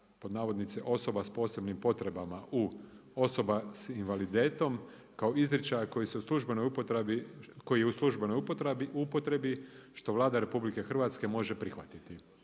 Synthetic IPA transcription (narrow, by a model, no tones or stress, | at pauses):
po̞d̪naːʋo̞d̪nit̪seʔo̞so̞baspo̞ːse̞bnimpo̞t̪ɾe̞bamaʔu | o̞so̞basinʋalid̪e̞ːt̪o̞m | kao̞izɾit͡ʃajako̞jiseuslˠuʒbe̞no̞jup̪iko̞jijeuslˠuʒbe̞nojpot̪ɾupot̪ɾe̞biʃt̪o̞ʋlˠaːd̪aɾe̞publike̞xr̩ʋat̪ske̞mo̞ʒe̞pɾixʋat̪it̪i